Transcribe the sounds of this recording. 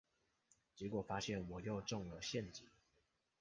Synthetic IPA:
t͡ɕjɛ˧˥kwɔ˨˩fa˥ɕjɛ˥˩nwɔ˨˩jo˥˧ʊʈ͡ʂʊ˥˩ŋlə˨ɕjɛ˥˨nt͡ɕi˨˩˦

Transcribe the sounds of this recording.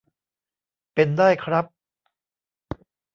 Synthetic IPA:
pe˧ndaː˥˩jkʰɾa˦˥p̚

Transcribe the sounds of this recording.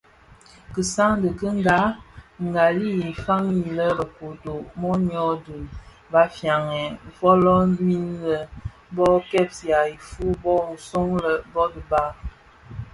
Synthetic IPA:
kə˨sa˦ŋdə˨kə˦ŋ˦ɡa˨˦ŋ˨ɡa˨li˦i˨fa˦ŋi˨lə˦ɾə˨ko˨to˨mɔ˦ɲ˦ɔ˦du˨n | ba˨˦fja˨ŋɛ˨vɔ˦lɔ˦mi˦nlə˨ | bɔ˦kɛ˦p̚sja˨i˨fu˦bɔ˦˨n̩˨so˦ŋlə˨bɔ˦də˨ba˦

